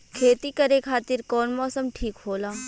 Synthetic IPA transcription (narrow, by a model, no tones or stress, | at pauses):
kʰeːt̪ikɐɾekʰaːt̪ɪɾkɔːnmɔːsəmʈʰiːkɦoːlaː